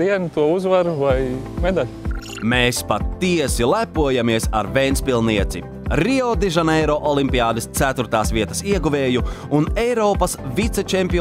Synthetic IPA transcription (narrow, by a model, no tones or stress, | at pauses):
d̪iɛnt̪uɔuzvaɾuvajmed̪alʲ | meːspat̪ːiɛsilˠæpuɔjamiɛsa̰ɾvɛjnspilˠniɛt̪sḭ | ɾiɔd̪iʒanɛjɾɔʔɔlˠimpiaːd̪ɨst̪æt̪uɾt̪aːsviɛt̪ɐsiɛɡuveːjuunɛjɾɔːpɐsvit̪sɛt͡ʃempi